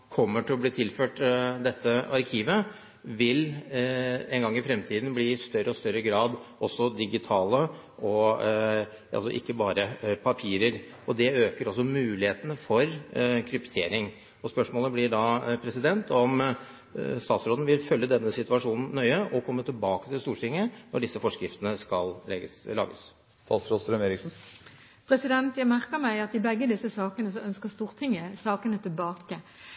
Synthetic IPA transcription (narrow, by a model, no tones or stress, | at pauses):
kʰɔmːəʈɪlɔb̪liːt̪ʰɪlføːʈd̪ɛt̪ʰːəɑɾkʰiːʋə | ʋɪl | ɛnɡɑŋːɪfɾɛmt̪ʰiːd̪n̩bliːst̪œɾəɔst̪œɾːəɡɾɑːd̪ʔɔsːɔd̪ɪɡɪt̪ʰɑːlə | ɔ | ʔɑ̰lsɔ̰ʔɪ̰kːəbɑːɾəpʰɑpʰiːɾəɾ | ɔd̪ɛøːkəɾɔs̬ːɔmʉːlɪheːt̪ənəfɔɾkʰɾʏpt̪ʰḛːɾɪŋ | ɔspœʂmoːləblɪɖɑːpʰɾɛsɪd̪ɛnt̪ʰɔm | st̪ɑːt̪sɾoːd̪n̩ʋɪlfœlːəd̪ɛnːəsɪt̪ʉɑʂuːnn̩ːœʏəʔɔkʰɔmːət̪ʰɪlbɑːkət̪ɪlst̪uːʈʰɪŋːənɔɖɪsːəfɔʂkɾɪft̪ənəskɑllɛɡəslɑ̰ːɡə̰s | st̪ɑːt̪sɾoːd̪sɾœmeːɾɪksn̩ | pʰʁɛsɪd̪ɛnt̪jæɡmæʁkəmæɪɑt̪ɪbɛɡːəd̪ɪsːəsɑːkənəsɔœnskəst̪uːʁt̪ʰɪŋːəsɑːkənət̪ʰɪlbɑːkə